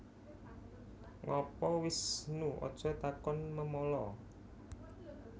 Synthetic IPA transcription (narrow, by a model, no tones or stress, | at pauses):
ŋɔpɔwɪsnuɔ̰d̥ʒ̥ɔ̤t̪akɔnməmɔlɔ